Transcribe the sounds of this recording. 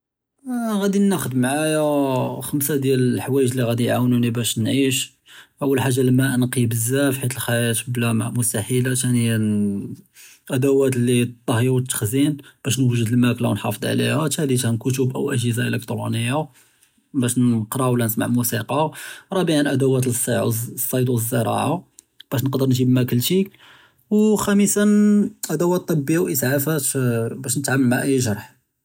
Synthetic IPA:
ɣæd̪inːæxəd̪mʕajaxəmsad̪jæləħwæjəʒliɣæd̪ijʕawnunibæʃnʕiʃ | ʔəwːəlħaʒːaləmːæʔnqibəzːæfħit̪əlxæjæt̪blæma̰ʕmʊst̪aħilat̪æni | ʔæd̪æwæt̪lːit̪ˤːɑhjut̪ːə̥xzinb̥æʃnwəʒəd̪əlmæklawnħɑ̰fəd̪ˤʕlḭhæt̪hæd̪it̪hænkʊt̪̬ubʔæ̰wʔæʒizaʔələkt̪ɾunəjːa | bæʃnqɾˤɑwlːænəsma̰ʕmusiqɑɾˤɑbəʕanʔæd̪æwæt̪ləsˤːɑʕsˤːɑjt̪wəzːəɾˤɑ̰ʕa | b̥æʃnəqd̪əɾnʒibmækəlːʃi | wxæmisanʔæd̪æwæt̪ˤːɑbːəjːawʔəsʕafæt̪bæʃnət̪ʕamːəlmaʕʔəjːʒɑɾˤħ

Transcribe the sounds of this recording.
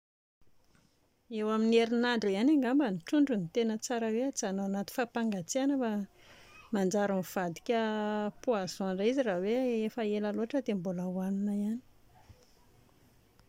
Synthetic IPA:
ewamineɾinaɳɖ͡ʐianaŋɡambəniʈ͡ʂuɳɖ͡ʐunit̪enət͡saɾəweat͡sanoanat̪i̥fapaŋɡat͡sianəfa | mand͡ʒaɾamv̥ad̪i̥kʲəpuazoaɳɖ͡ʐaiziraweefəelaloaʈ͡ʂəd̪embulawanunaiani̥

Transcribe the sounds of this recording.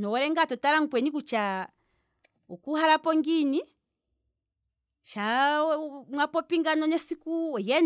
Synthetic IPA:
nɔwɔɾɛŋɡatɔtaɾaŋ̩kwɛnikut͡ʃa | ɔkuɦaɾapɔŋɡini | ʃa | mwapɔpiŋɡanɔnɛsikuɔjɛn

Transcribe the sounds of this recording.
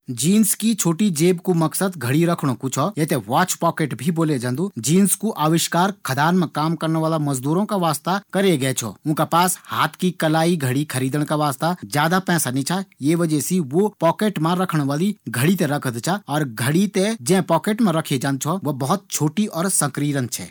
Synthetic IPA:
d͡ʒiːnskit͡ʃʰoːʈid͡ʒeːbkumɐksəd̪ɡʱɐɽiɾɐkʰɽ̃õkut͡ʃʰɔjet̪eʋaːt͡ʃpɔːkeːʈbʱiboːled͡ʒãnd̪ud͡ʒiːnskuʔaːʋɪʃkaːɾkʰɐd̪aːɾmẽkaːmkɐɾneʋaːlamɐzd̪uːɾõkaʋaːst̪akɐɾeɡɐet͡ʃʰɔ̰ʊ̃ːkapaːshaːt̪ʰkikɐlaːiɡʱɐɽikʰɐɾiːd̪əɽ̃kaʋaːst̪ad͡ʒjaːd̪apɛ̃ːsanĩt͡ʃʰajeʋɐd͡ʒɛsiʋopɔːkeːʈmãɾɐkʰɽ̃ʋaːliɡʱɐɽit̪̬ẽɾɐkʰəd̪t͡ʃʰaɔːɾɡʱɐɽit̪ed͡ʒɛ̃ːpɔːkeːʈmẽɾɐkʰed͡ʒãːnd̪t͡ʃʰɔʋɐbɐɦʊt̪̚t͡ʃʰoːʈiʔɔːɾsɐ̃kɾiːɾənt͡ʃʰɛ̰ː

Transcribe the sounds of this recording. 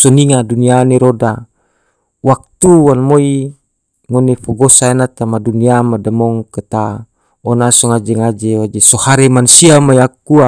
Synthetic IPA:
sɔniŋadunianeɾoda | wak̚t̪uwanmoi | ŋonefɔɡosaenat̪amaduniamadamɔŋket̪a | ɔnasɔŋad͡ʒeŋad͡ʒewad͡ʒesohaɾemansiamajakua

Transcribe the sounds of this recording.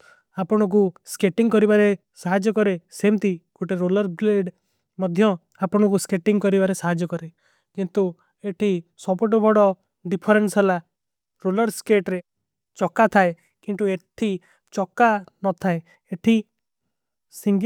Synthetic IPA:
apɔɽ̃ɔk̬uskeʈiŋɡkɔɾibaɾe | saɦad͡ʒɔkɔɾesemt̪ikoʈeɾolɔɾbleɖ | mɔd̪ʱjɔ | apɔɽ̃ɔk̬uskeʈiŋɡkɔɾibaɾesaɦad͡ʒɔkɔɾe | kint̪u | eʈʰisɔpɔʈ̬ɔbʱɔɽɔ | ɖipʰɔɾensɦela | ɾolɔɾskeʈɾe | t͡ʃɔkat̪ʰae | kint̪ueʈʰi | t͡ʃɔkːanɔt̪ʰae | eʈʰi | siŋ

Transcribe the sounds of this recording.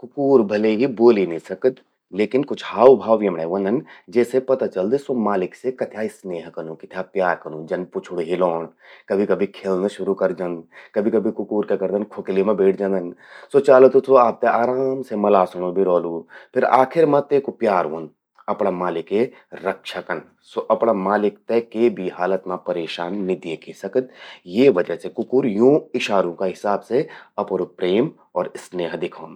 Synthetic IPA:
kʊkuːɾbʱɐleɦiboːlinĩsɐkət̪ | leːkɪnkʊt͡ʃʰhaːwbʱaːwʋjemɽaːʋɐnd̪ɐnd͡ʒɛːsepɐt̪at͡ʃɐld̪isomaːlɪksekɐt̪ʰjaːisneːɦkɐnũkɪt̪ʰjapjaːɾkɐnũːd͡ʒɐnpʊt͡ʃʰʊɽɦiloːɳkɐbʱikɐbʱikʰeːlnaʃʊɾukɐɾd͡ʒɐ̃nd̪kɐbʱikɐbʱikʊkuːɾkekɐɾd̪ɐnkʰoklimẽbeːʈʰd͡ʒãːnd̪ənsot͡ʃaːlot̪ut̪ʰoaːp̚t̪eʔaːɾaːmsemɐlaːsɐɽ̃õbʱiɾɔːluːpʰɪɾa̰ːkʰɪɾmãt̪eːkupjaːɾʋoːn | ɐpɽamaːlɪke | ɾɐkʃəkən | soʔɐpɽamaːlɪkt̪ekebʱiɦaːlət̪mãpɐɾeːʃaːnːɪd̪jekisɐkət̪̚jeʋɐd͡ʒəsekʊkuːɾjũːɪʃaːɾõkaɦɪsaːbseɐpɾupɾeːm | ɔːɾɪsneːɦd̪ɪkʰoːn

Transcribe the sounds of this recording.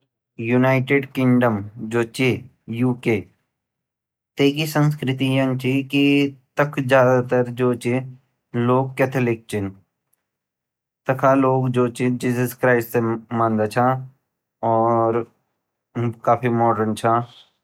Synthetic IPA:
junaːɪʈeɖkɪ̃ŋɖəmd͡ʒoːt͡ʃe | juːke | t̪eːkisə̃nskɾɪt̪ijɐ̃ŋt͡ʃikit̪ɐkʰd͡ʒjaːd̪at̪ɐɾd͡ʒoːt͡ʃi | loːɡ̚kːet̪ʰəlɪk̚t͡ʃin | t̪ɐkʰaloːɡd͡ʒoːt͡ʃid͡ʒiːzəskɾaːɪsʈsemãːnd̪at͡ʃʰaː | ɔːɾ | kaːpʰimɔːɖənt͡ʃʰaː

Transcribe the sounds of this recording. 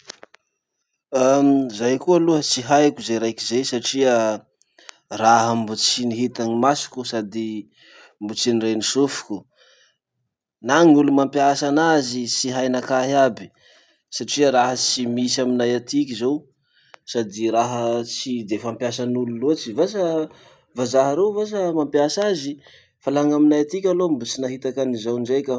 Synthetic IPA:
amzajkualuət͡siɦajkuzeɾajkizesaʈ͡ʂiə | raɦambut͡siniɦit̪aŋimasi̥kʲusad̪i | mbut͡sinirenisufu̥kʲu | naŋulumampjasanazisiɦajnakaɦiabi̥ | saʈ͡ʂiaɾaɦət͡simisaminajat̪ik̬ʲizow | sad̪iɾaɦət͡sid̪efampjasanululuat͡si̥vas̬ə | vazaɦaɾewvas̬əmampjasazi | falaŋaminajat̪ikʲalombut͡sinaɦit̪akanizawnɖ͡ʐajkʲə

